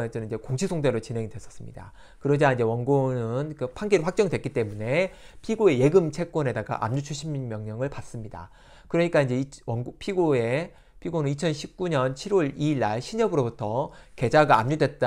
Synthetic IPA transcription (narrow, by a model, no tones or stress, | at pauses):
et͡ɕ͈ʌnind͡ʑe̞koŋɕʰisʰoŋdeɾot͡ɕinɦe̞ŋidwe̞s͈ʌ̥s͈ɯmɲida | kɯɾʌd͡ʑaind͡ʑe̞wʌnɡonɯnkɯpʰaŋɡiɾiɸwak̚t͡ɕ͈ʌŋidwek͈it͈e̞mune̞pʰiɡoe̞je̞ɡɯmt͡ɕʰe̞k̚k͈ʌne̞daɡa̰ʔa̰mɲut͡ɕʰuɕʰimnmjʌŋɲʌŋɯɭpas͈ɯmɲida̰ | kɯɾʌɲik͈aind͡ʑe̞iʌpʰiɡoe̞ | pʰiɡonɯnit͡ɕʰʌnɕʰip̚k͈uɲʌnt͡ɕʰiɾwʌɭiːɭːaɭɕʰiɲʌbɯɾobutʰʌke̞d͡ʑaɡaamɲudwe̞t̚t͈